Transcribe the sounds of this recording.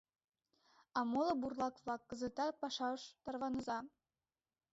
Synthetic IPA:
ɑmolˠŏburlˠɑkvlˠɑkːɤ̆zə̆t̪ɑpɑʃɑɤʃt̪ɑrβɑnɤ̆zɑ

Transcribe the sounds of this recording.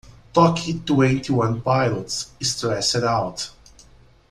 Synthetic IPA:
tɔkʰitwɛ̃ntʰiwʌ̃npaɪlətsɪstɹɛsɛɾaʊt

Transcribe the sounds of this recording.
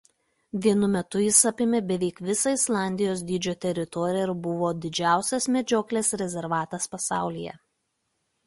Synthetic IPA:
ʋʲiɛnʊmʲɛt̪ʊjɪsɐpʲɪmʲebʲɛʋʲɛɪkʋʲɪsɐɪslˠɑˑnʲd̪ʲɪjoːs̬d̪ʲiːd͡ʒʲoːt̪ʲɛɾʲɪt̪ɔːɾʲɪjɛɪɾbʊʋoːd̪ʲɪd͡ʒʲæˑʊsʲɛsmʲɛd͡ʒʲoːklʲeːsɾʲɛzʲɛɾʋɑːt̪ɐspɐsɑˑʊlʲijɛ̰

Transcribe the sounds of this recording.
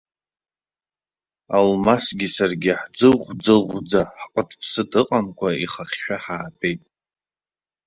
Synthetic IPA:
almasɡʲisarɡʲɪħd͡zɨʁʷd͡zɨʁʷd͡zaħqʼətʼʰpʰsɨtʼɨqʼamkʷʰaiχaχʲʃᶣaħaːtʰʼe̞jtʼ

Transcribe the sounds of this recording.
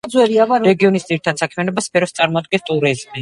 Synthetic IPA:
d̪zwɛɾiavaɾɾɛɡiɔnisd̪iɾit̪ʰad̪sakʰmianɔbaspʰɛɾɔst̪sʼaɾmɔad̪̚ɡɛnst̪ʼuɾizmi

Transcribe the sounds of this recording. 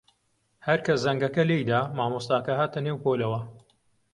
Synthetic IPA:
hɐɾkʰɐszɐŋɡɐkɐlejd̪aːmaːmoːst̪aːkɐɦaːt̪ɐneːwhoːlɐwɐ

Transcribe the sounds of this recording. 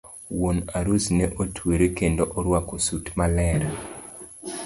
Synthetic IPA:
wonaɾusnɛʔotʰweɾekendoʔɔɾwakosutmalɛɾa

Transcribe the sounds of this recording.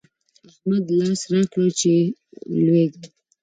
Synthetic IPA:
ahmad̪lɑsɾɑkɽət͡ʃelweɡ

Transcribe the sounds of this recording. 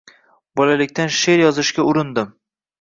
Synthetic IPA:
bɒlalɪkʲt̪ʰanʃe̞ɾjɒzɪʃkʲaʊɾɪnd̪ɪm

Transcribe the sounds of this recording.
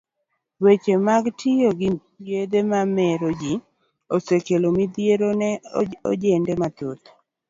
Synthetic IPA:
wet͡ʃemaɡtʰɪjoɡɪ | ɡed̪emamɛɾod͡ʒi | osekelomid̪jeɾonɛoo̰d͡ʒendɛmat̪ut̪

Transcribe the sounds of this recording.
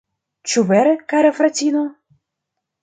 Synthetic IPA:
t͡ʃuvɛɾkaɾafɾat͡sʲino

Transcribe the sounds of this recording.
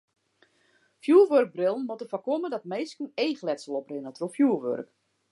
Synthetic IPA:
fjuːʋørk̚brɪlˠən̩motəfɔkomədɔtmeːskəneːxlɛtsəlˠɔprɪnətrofjuːəʋø̰rk

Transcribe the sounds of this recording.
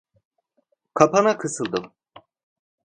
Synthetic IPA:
kʰapʰanakʰɯsɯlˠd̪ɯm

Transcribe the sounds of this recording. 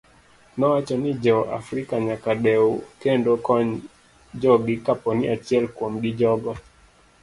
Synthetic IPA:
nɔwat͡ʃɔnid͡ʒɔʔa̰fɾikaɲakaɗɛukɛndɔkɔɲ | d͡ʒɔɡikapɔniat͡ʃiɛlkɔm̩ɡid͡ʒɔɡɔ

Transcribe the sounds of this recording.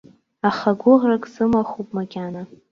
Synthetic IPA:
aχaɡʷʊʁrakʼzɨmaχʷupʼmakʲana

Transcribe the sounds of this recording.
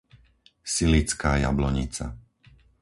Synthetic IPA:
silit͡skaːja̰blɔɲit͡sa̰

